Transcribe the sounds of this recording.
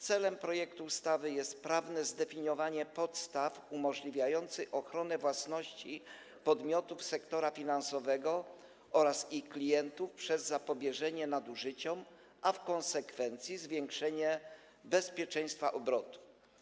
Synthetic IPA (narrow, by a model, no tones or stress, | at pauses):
t̪sɛlɛmpɾɔjɛk̚t̪uːst̪avɘjɛst̪pɾavnɛzd̪ɛfʲiɲɔvaɲɛpɔt̪st̪afumɔʐlʲivʲjajɔnt̪sɘʔɔxɾɔnɛvwasnɔɕt͡ɕi | pɔd̪mʲjɔt̪ufsɛkt̪ɔɾafʲinansɔvɛɡɔ | ɔɾasiklʲijɛnt̪ufpʂɛzːapɔbʲjɛʐɛɲɛnad̪uʐɘt͡ɕɔm | afkɔnsɛkfɛnt̪sʲjizvʲjɛŋkʂɛɲɛ | bɛspʲjɛt͡ʂɛ̃j̃st̪faʔɔbɾɔt̪u̥